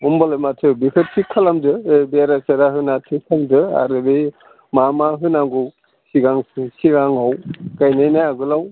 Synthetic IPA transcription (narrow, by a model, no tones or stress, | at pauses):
umbalamatʰɯbikʰɯt̚tʰikʰalamdɯebeaɾasaɾaɦɯnatʰikʰamdɯa̰ɾɯbe | mamaɦɯnaŋɡɔw | siɡaŋsiɡaŋawkajnajnajaɡɯlaw